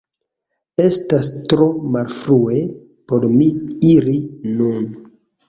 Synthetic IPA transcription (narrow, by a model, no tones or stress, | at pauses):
e̞stastɾomalfɾue̞ | po̞ɾmiiɾinun